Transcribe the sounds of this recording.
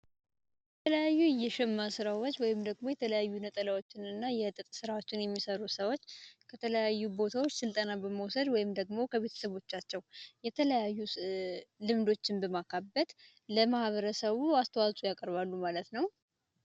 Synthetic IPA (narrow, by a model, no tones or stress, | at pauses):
jɛɛt̪ʰələjajːujɛʃɛmːasɨɾawot͡ʃːwɔjɪmd̪əɡmo̞jɛt̪ʰələjajːunət̪ʼəlawot͡ʃːɪnɨnːajɛt̪ʼɨt̪ʼsɨɾawo̞t͡ʃːɪnjɛmːisəɾusəwo̞t͡ʃːkʰət̪ʰələjajːubo̞t̪ʰawo̞t͡ʃːsɨlt̪ʼənabəməwsəd̪wɔjɪmd̪əɡmo̞kʰəβe̞t̪ʰə̥səβo̞t͡ʃːat͡ʃːɛwjɛt̪ʰələjajːu | lɨmd̪o̞t͡ʃːɪnbəmakʰabːət̪ | ləmahβəɾəsəβuast̪ʰəwasʼujakʼəɾβalːumalət̪nəw